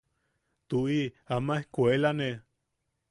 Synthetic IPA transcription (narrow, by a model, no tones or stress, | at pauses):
t̪uʔiamaehkʷelane